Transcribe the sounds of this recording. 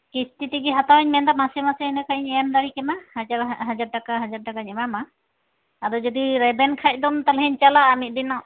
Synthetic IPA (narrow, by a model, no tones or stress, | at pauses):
kistitiɡiɦatawɲmɛndamasɛmasɛːnɛkʰaɲɛmdaɹikɛmahazaɾɦazad̚takaɦazad̚takaɲɛmama | aɾɔzɔdiɹɛbɛnkʰac̚dɔmt̪alɦɛɲt͡ʃalaːmit̚dinɔ